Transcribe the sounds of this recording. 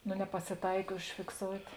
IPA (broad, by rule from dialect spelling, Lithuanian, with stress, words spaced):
noː nʲɛpɐsʲɪˈtɐɪk ʊʃʲfʲɪkˈsoːʊtʲ